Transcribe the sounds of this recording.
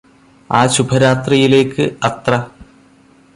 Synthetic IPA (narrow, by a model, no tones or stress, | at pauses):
aːɕubʱɐɾaːt̪rijile̞ːkːɨɐt̪rɐ